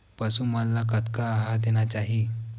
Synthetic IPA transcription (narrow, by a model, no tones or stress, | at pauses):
pəsumalːakət̪kaːɦad̪eñat͡ɕaɦi